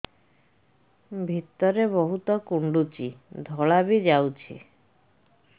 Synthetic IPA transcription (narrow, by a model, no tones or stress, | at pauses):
bʱit̪ːɔɾebɔɦut̪ɔkuɳɖut͡ʃid̪ʱɔɭabid͡ʑawt͡ɕʰḛ